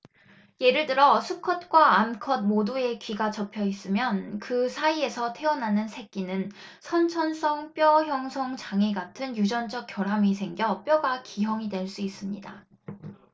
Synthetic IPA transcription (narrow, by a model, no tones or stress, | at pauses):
je̞ɾɯɭt͈ɯɾʌsʰukʰʌt̚k͈waːmkʰʌd̚modue̞kɥiɡat͡ɕʌpʰjʌis͈ɯmjʌnkɯsʰaie̞sʰʌtʰe̞ʌnanɯnsʰe̞k̚k͈inɯn | sʰʌnt͡ɕʰʌns͈ʌŋp͈jʌçjʌŋsʰʌŋt͡ɕaŋeɡatʰɯnjud͡ʑʌnd͡ʑʌk̚k͈jʌɾɦamisʰe̞ŋɡjʌp͈jʌɡakiɦjʌŋidwe̞ɭs͈uis͈ɯmɲida